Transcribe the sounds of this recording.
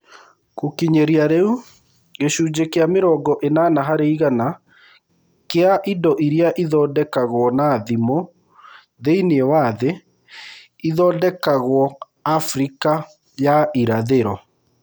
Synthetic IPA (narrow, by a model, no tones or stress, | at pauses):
kokiɲeɾiaɾeu | ɣeɕuːd͡ʑekeameɾɔːɡɔʔenanaɦaɾeiɣana | keaʔindɔʔiɾiaʔiðɔːdɛkaɣwɔnaðimo | ðeineɛwaðe | iðɔːdɛkaɣwɔ | afɾika | jaʔiɾaðeɾɔ